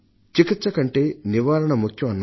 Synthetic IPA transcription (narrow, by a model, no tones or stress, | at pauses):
t͡ʃikit̪sɐkɐɳʈe̞ːniʋaːɾɐɳɐmukʰjɐmɐnː